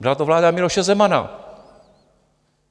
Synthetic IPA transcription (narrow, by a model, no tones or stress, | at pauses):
bɪlat̪ovlaːdamɪlo̞ʃɛzɛmana̰